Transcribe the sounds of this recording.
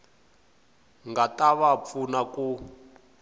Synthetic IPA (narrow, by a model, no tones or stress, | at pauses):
ŋɡataβap̪funaku